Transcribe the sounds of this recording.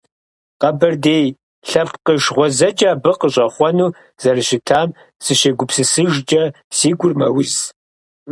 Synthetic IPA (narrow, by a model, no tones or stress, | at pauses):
qɐbɐrdeːj | ɬɐpqəʃʁʷɔzɐd͡ʒʼaːbɨqəɕʼɐχʷɔnuː | z̥ɐrɨɕɪtʰaːm | sɨʃeɡʷʊpsɨsɨʒd͡ʒʼɐ | siːɡʷʊrmɐ̰wɪz